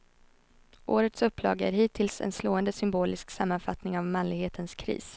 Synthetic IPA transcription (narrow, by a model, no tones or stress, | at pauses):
ʔoːɾət̪sɵpːlɑ̰ːɡəæ̰ɾɦiːt̪ʰɪlsɛ̰nsloːənd̪əsʏmboːlɪsksamːanfat̪nɪŋavmanlɪɡheːt̪ʰənskʰɾḭːs